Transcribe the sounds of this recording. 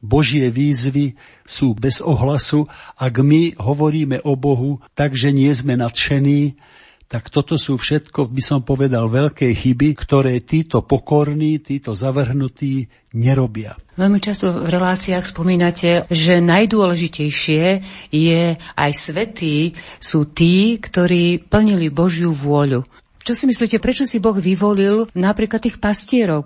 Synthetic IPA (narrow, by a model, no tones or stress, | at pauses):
bɔʒɪɛʋiːzʋi | suːbɛzɔɦlasuaɡmiɦɔʋɔɾiːmɛʔɔbɔɦut̪aɡʒɛɲɪɛzmɛnat̪ʃɛniː | t̪akt̪ɔt̪ɔsuːfʃɛt̪kɔbisɔmpɔʋɛd̪alʋɛʎkɛjxibikt̪ɔɾɛːt̪iːt̪ɔpɔkɔɾniːt̪iːt̪ɔzaʋr̩ɦnut̪iː | ɲɛɾɔbɪaʋɛʎmit͡ʃast̪ɔvɾɛlaːt͡siaːxspɔmiːnacɛʒɛnajd̪ʊɔlɛʒicɛjʃɪɛjɛʔajsʋɛt̪iːsuːt̪iːkt̪ɔɾiːpl̩ɲilibɔʒjuʋʊɔʎu | t͡ʃɔsimisliːcɛpɾɛt͡ʃɔsibɔɣʋiʋɔlilnapɾiːklat̪ːiːxpascɪɛɾɔʊ